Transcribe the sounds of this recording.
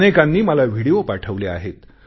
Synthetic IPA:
nekanːiːməlaʋʱiɽiopaʈʰəʋleaɦet̪

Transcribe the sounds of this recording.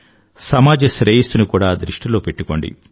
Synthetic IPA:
sɐmaːd͡ʒɐsɾeːjist̪unukuːɽaːd̪ɾiʂʈilo̞ːpe̞ʈːuko̞ːɳɖḭ

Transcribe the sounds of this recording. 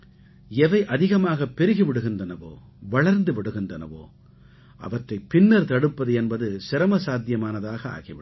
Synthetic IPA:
ɛʋɐɪʔɐðɪɣɐmaːɣɐpːɛɾɯɣiʋɪɽɯɣɪndrɐnɐʋo̰ː | ʋɐɭɐɾnd̪ɯʋɪɽɯɣɪndrɐnɐ̰ʋo̰ː | ʔɐ̰ʋɐʈrɐɪpːɪnːɐɾt̪ɐɽɯpːɐðɯɛnbɐðɯsɪɾɐmɐsaːd̪jɐmaːnɐðaːɣɐa̰ːɣiʋɪɽ

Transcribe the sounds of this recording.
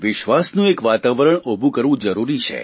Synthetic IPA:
ʋɪʃʋasnũekʋat̪aʋəɾəɳobʱũkəɾʋũd͡ʒəɾuɾit͡ʃʰḛ

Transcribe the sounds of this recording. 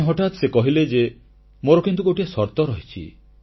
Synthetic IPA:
ɦɔʈat̪sekɔɦiled͡ʒe | moɾɔkint̪ukoʈiasɔɾt̪ɔɾɔɦit͡ʃʰḭ

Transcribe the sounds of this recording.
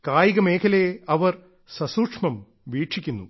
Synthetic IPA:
kaːjiɣɐme̞ːkʰɐlejɐʋɐr | sɐsuːʂmɐm | ʋiːʈʂikʲːunːṵ

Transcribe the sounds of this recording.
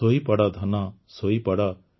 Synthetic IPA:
oːipɐɽaːd̪ʱɐnãːsoːipɐɽa

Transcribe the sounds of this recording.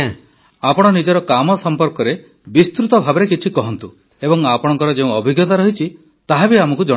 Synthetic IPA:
apɔɽ̃ɔnid͡ʒɔɾɔkamɔsɔmpɔɾkɔɾe | bist̪ɾut̪ɔbʱabɔɾekit͡ʃʰikɔɦɔnt̪u | ebɔŋapɔɽɔ̃ŋkɔɾɔd͡ʒeũɔbʱiɡjɔt̪aɾɔɦit͡ʃʰi | t̪aɦabiamɔkud͡ʒɔ̃

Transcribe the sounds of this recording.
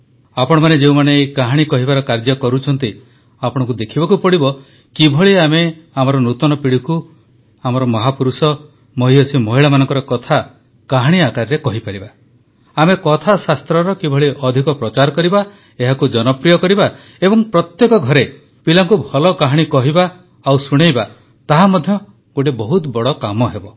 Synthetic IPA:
apɔɽ̃ɔmaned͡ʒeũmaneːkaɦaɽ̃ikɔɦibaɾɔkaɾd͡ʒɔkɔɾut͡ʃʰɔnt̪i | apɔɽ̃ɔ̃kud̪ekʰibɔkupɔɽibɔ | kibʱɔɭiameamɔɾɔnut̪ɔnɔpiɽiku | amɔɾɔmɔɦapuɾusɔ | mɔɦiɔsʰimɔɦiɭamanɔŋkɔɾɔkɔt̪ʰa | kaɦaɽ̃iakaɾɾekɔɦipaɾiba | amekɔt̪ʰasast̪ɾɔɾɔkibʱɔɭiʔɔd̪ʱikɔpɾɔt͡ʃaɾɔkɔɾiba | eɦakud͡ʒɔnɔpɾijɔkɔɾiba | ebɔŋpɾɔt̪jekɔɡʱɔɾe | pilaŋkubʱɔlɔkaɦaɽ̃ikɔɦiba | awsuɽ̃ejba | t̪aɦamɔd̪ʱjɔ | ɡoʈ̬ibɔɦut̪bɔɭɔkamɔɦebɔ

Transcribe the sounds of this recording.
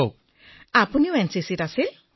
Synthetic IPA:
ok | apuniwensisitasil

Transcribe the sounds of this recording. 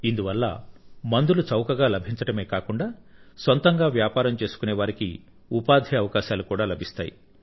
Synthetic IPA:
ind̪uʋɐlːɐ̰mɐnd̪ulut͡ʃɐwkɐɡaːlɐbʱiɲt͡ʃɐʈɐme̞ːkaːkuɳɖaːsʋɐnt̪ɐŋɡaːʋjaːpaːɾɐmt͡ʃe̞ːsu̥kuneːʋaːɾiki | upaːd̪ʱiɐʋɐkaːʃaːlukuːɽaːlɐbʱist̪a̰ːjḭ

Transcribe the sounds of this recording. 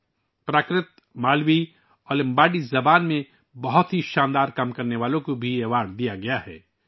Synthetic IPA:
pɾaːkɾɪt̪̚ | maːlwi | ɔːlɪ̃mbaːɖizɐbaːnmẽ | bɐɦʊt̪ɦiʃãːnd̪aːɾkɐmkɐɾneʋaːlõkobʱieːʋaːɽd̪ijaɡɐjaɦɛ̰ː

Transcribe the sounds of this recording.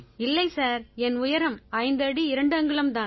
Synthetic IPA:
ɪlːɐɪsaːɾɛnʊjɐɾɐmɐɪnd̪ɐɽiɪɾɐɳɖɯɐŋɡɐɭɐmt̪aːn

